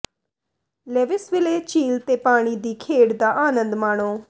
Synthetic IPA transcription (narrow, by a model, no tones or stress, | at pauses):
leːʋɪsʋɪleːt͡ʃiːlt̪eːpaːɽ̃iːd̪iːkʰeːɽd̪aːʔaːnə̃nd̪maːɳ̃oː